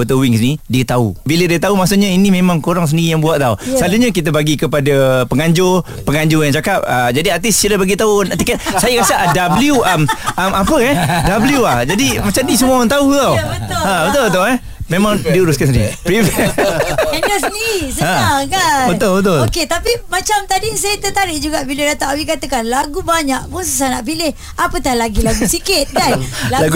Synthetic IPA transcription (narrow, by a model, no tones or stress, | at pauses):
ət̪əwɪŋsənidiət̪aṵbilədiət̪aumasuʔɲainĩmẽmãŋkoɾaŋsəndiɾijaŋbuat̪̚t̪awsəaluɲak̬it̪̬abaɡikəpadapəŋaɲd͡ʒʊr | pəŋaɲd͡ʒʊjaŋt͡ʃakap̚əd͡ʒadiat̪ɪssilabaɡit̪aʊnt̪ikɛt̪̚sajakasaʔadabliuəmʔəmapəɛhdabliuahd͡ʒadimat͡ʃamdisəmuawant̪aut̪aw̪ʊãbət̪ʊlbət̪̬ʊlɛ | mẽmaŋdiuɾuskansdipɾiv | ɛnasnisəãakabət̪ʊlbət̪̬ʊloket̪apimat͡ʃamt̪adisajət̪ət̪aɾɪʔd͡ʒuɡaʔbilədat̪aawikat̪əkanlaɡubaɲaʔpʊnsəsanaʔpilɪh | apət̪alaɡilaɡusikɪt̪̚ɡajlalaɡu